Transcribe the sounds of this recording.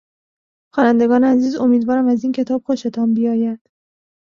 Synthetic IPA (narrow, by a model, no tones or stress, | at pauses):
xɒːnænd̪e̞ɡɒːneæziːzo̞miːd̪vɒːɾæmæziːncʰe̞t̪ʰɒːb̥xoʃet̪ʰɒːmbijɒːjæd̪̥